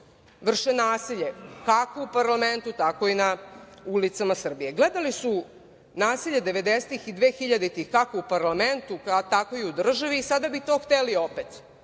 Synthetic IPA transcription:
ʋr̩ʃenaːsiʎe̞kako̞upaɾlame̞nt̪ut̪ako̞inaulit̪samasr̩bijeɡled̪alisu | naːsiʎed̪e̞ʋe̞d̪eset̪ixid̪ʋeːxiʎad̪et̪ixkakoupaɾlament̪ut̪ako̞iud̪r̩ʒaʋiːsad̪abit̪o̞xt̪eliopet̪

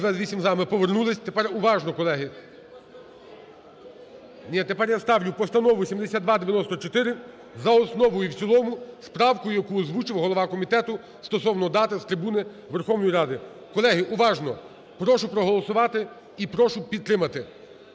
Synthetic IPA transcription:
ʋɛzʋisʲimzɑmɪpɔʋernulˠɪsʲt̪epɛrʊʋɑʒnɔkɔlˠɛɦɪ | nʲit̪epɛrjast̪ɑwlʲʊpɔst̪ɐnɔʋʊsʲimd̪esʲad̪d̪ʋɑd̪eʋʲjɐnɔst̪ɔt͡ʃɔt̪ɪɾɪ | zɐɔsnɔʋɔjʊwt͡sʲilˠɔmʊspɾɑwkʊjɐkuɔzʋut͡ʃɪwɦɔlˠɔʋɑkɔmʲit̪ɛt̪ʊ | st̪ɔsɔwnɔd̪ɑt̪ɪst̪ɾɪbunɪ | ʋerxɔwnɔjiɾɑd̪ɪ | kɔlˠɛɦɪʔʊʋɑʒnɔ | pɾɔʃʊpɾɔɦɔlˠɔsʊʋɑt̪ɪ | ipɾɔʃʊpʲid̪̚t̪ːɾɪmɐt̪ɪ

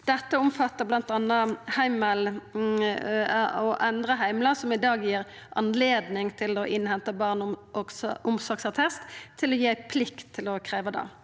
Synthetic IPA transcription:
d̪̥ɛt̪ːəʊmfɑt̪ːəʁblɑnt̪ɑnːəhæɪməl | ɔʔɛnd̪ʁəɦæɪmlɑsɔmɪd̪ɑːɡjiːʁ | ʔɑ̰nleːd̪nɪŋt̪ʰɪlɔʔɪnhɛnt̪əbɑːʁnsʔʊmsɔksɑʁt̪ʰɛst̪ʰːɪlɔjiːæɪpʰlɪkt̪ʰːɪlɔkʰʁeːʋəd̪ɑ̰ː

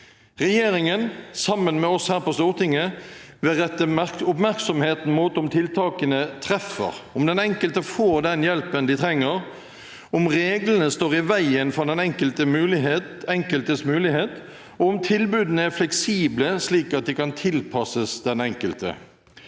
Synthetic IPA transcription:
ʁɛjeːɾɪŋənsɑmːənmɛɔshæːʁpɔst̪uːʁt̪ɪŋːə | ʋɛʁɛt̪ːəʊpmæʁksɔmheːt̪n̩muːt̪ʊmt̪ʰɪlt̪ʰɑːkənət̪ʰɾɛfə̰ʁʊmd̪ɛnɛŋkəlt̪əfoːɾd̪ɛnjɛlpənd̪ɪt̪ʰɾɛŋːəʁ | ʊmʁeːɡlənəst̪oːʁɪʋæɪənfɔd̪ɛnɛŋkəlt̪əmʉːlɪɦet̪ɛŋkəlt̪əsmʉːlɪheːt̪ | ɔʊmt̪ʰɪlbʉːd̪ənəæflɛksiːbləsliːkɑt̪̚d̪ɪkɑnt̪ʰɪlpʰɑsəsd̪ɛnɛŋkəlt̪ə̰

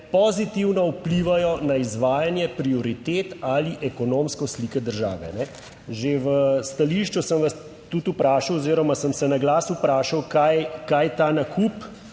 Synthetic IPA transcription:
pɔzit̪iwnɔupliːʋajɔnaizʋaːjanjɛpɾiɔɾit̪eːt̪aliʔɛkɔnoːmskɔslikɛd̪əɾʒa̰ːʋɛ̰nɛ | ʒeʋəst̪aliʃt͡ʃusəmʋas | t̪ːut̪upɾaːʃawɔziːɾɔmasəmsɛnaɡlaːsupɾaːʃawkajkaːjt̪aːnakup

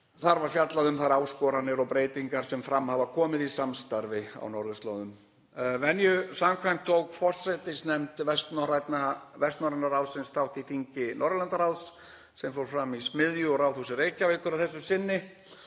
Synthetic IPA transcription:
θaɾvaɾ̥fjat̪laðʏmθaɾaːwskɔːɾanɪɾɔɣpɾeːjt̪iŋkaɾ̥sɛmfɾamːhavakʰɔːmɪðisamst̪aɾvɪa̰wnɔɾðʏst̪lɔ̰ːðʏm | vɛnjʏsamkʰvajm̥t̪ʰːowkfɔr̥sɛt̪ɪsnɛmt̪vɛst̪nɔɾajt̪navɛst̪nɔɾanaɾawsɪnst̪ʰawht̪iθiɲcɪnɔɾlant̪aɾawsː | ɛmfowɾ̥fɾamismɪðjʏɔɾawθusɪreːjcavɪːkʏɾaðθɛsːʏsɪnːɪ

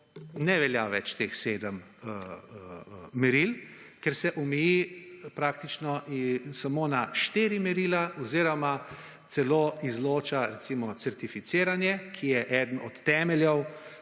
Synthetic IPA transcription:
nɛʋɛljaʋɛ̰t͡ʃt̪exseːd̪əm | ə | ɛɾilkɛɾsɛʔɔmɛjipɾaːk̚t̪it͡ʃnɔʔisamoːnaʃt̪eːɾimɛɾilaɔziːɾɔma | t̪sɛloːizloːt͡ʃaɾɛt̪simɔt̪sɛɾt̪ifit̪seːɾanjɛkʰijɛʔɛːd̪ənɔt̪ːɛːmɛljɛw

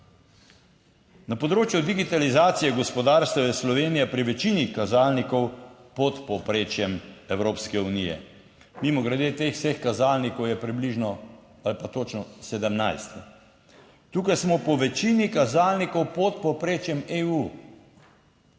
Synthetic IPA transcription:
napɔd̪ɾoːt͡ʃjud̪iɡit̪alizaːt̪sijɛɡɔspɔd̪aɾst̪ɐjɛslɔʋeːnijɛpɾiʋɛt͡ʃiːnikazaːlnikɔwpɔt̪pɔpɾeːt͡ʃjɛmɛwɾoːpskɛunijɛ̰ | mimɔɡɾɛd̪eːt̪eːxw̥sexkazaːlnikɔwjɛpɾibliʒnɔ | alipat̪ot͡ʃnɔsɛd̪ɛmnajst̪ | t̪uːkajsmɔpɔʋɛt͡ʃiːnikazaːlnikɔwpɔt̪pɔpɾeːt͡ʃjɛmeuː

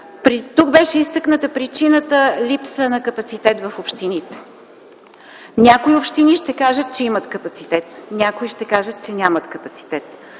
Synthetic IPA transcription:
pɾit̪uk̚bɛʃɛist̪əknət̪əpɾit͡ʃinət̪əlʲipsənɐkəpɐt̪sit̪ɛt̪vɐfopʃt̪init̪ɛ̥ | nʲakoiopʃt̪iniʃt̪ɛkaʒət̪̚t͡ʃɛimət̪kəpɐt̪sit̪ɛt̪nʲakoiʃt̪ɛkaʒət̪̚t͡ʃɛnʲamət̪kəpɐt̪si̥t̪ɛt̪

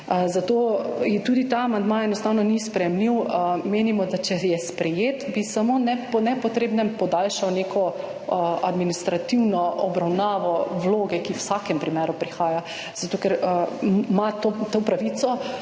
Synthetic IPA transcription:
zat̪oːjɛt̪uːd̪it̪aamand̪maɛnɔst̪awnɔnispɾɛjɛmliwmeːnimɔd̪at͡ʃɛjɛspɾɛjeːt̪bisamonɛpɔnɛpɔt̪ɾeːbnɛmpɔd̪alʃawneːkʰɔ | a̰d̪minist̪ɾat̪iwnɔɔbɾawnaːʋɔwloːɡɛkiwsakɛmpɾimeːɾupɾixaːja | z̥at̪oːkɛɾ | mat̪ot̪opɾaʋit̪sɔ

